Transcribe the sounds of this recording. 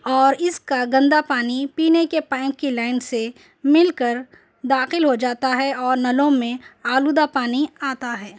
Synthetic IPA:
ɔːɾɪskaɡɐ̃nd̪apaːnipiːnekepãːɪ̃ŋkːilaːɪnse | mɪlkəɾ | d̪aːxɪlɦod͡ʒaːt̪aɦɛɔːɾnɐlõmẽaːlud̪apaːniaːt̪aɦɛː

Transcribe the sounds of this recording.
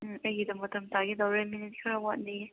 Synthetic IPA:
ɐjidɐmɐtɐmtaɡidɐwɾeminit̚kʰɐɾɐwat̚ndi

